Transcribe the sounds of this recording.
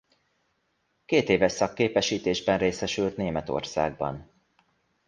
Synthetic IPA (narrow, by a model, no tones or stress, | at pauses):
keːt̪eːvɛʃsɒkːeːpɛʃiːt̪eːʒbɛnreːsɛʃylt̪neːmɛt̪o̞̰rsa̰ːɡ̚bɒ̰n